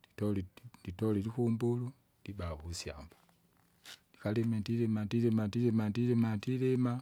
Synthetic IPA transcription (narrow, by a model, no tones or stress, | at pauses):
ditɔlinditɔlilikumbulu | d̥ibahusja̰mbḁ | dikalɛmɛndilɛmandilɛmandilɛmandilɛmandilɛma